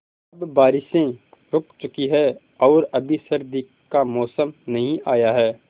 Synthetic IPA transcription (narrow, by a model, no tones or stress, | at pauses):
ɐbbaːɾɪʃẽ | ɾʊkʰt͡ʃʊkiɦɛː | ɔːɾɐbʱisɐɾd̪i | kamɔːsəmnɐɦĩʔaːjaɦɛː